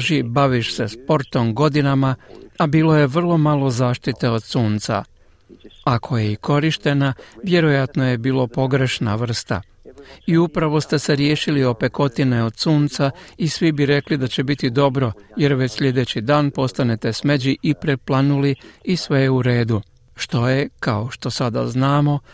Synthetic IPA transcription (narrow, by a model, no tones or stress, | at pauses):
ʒibaʋiʃse̞spo̞ɾt̪o̞mɡo̞d̪inamaabiːlo̞je̞ʋr̩lˠo̞malo̞zaːʃt̪it̪e̞o̞d̪suːnt̪sa̰ | akʰo̞je̞iko̞ɾiʃt̪e̞naʋje̞ɾo̞jat̪no̞je̞biːlopo̞ɡɾe̞ʃna̰ʋr̩st̪a̰ | iupɾaʋo̞st̪e̞se̞ɾjeːʃilio̞pe̞ko̞t̪ineo̞d̪suːnt̪saisʋibiɾe̞klid̪at͡ɕe̞bit̪id̪o̞bɾo̞je̞ɾʋet͡ɕsʎʲe̞d̪e̞t͡ɕid̪aːnpo̞st̪ane̞t̪e̞smed͡ʑiʔipɾeplˠanuliisʋe̞jeuɾe̞ːd̪u | ʃt̪o̞je̞kao̞ʃt̪o̞sad̪a̰znaːmo̞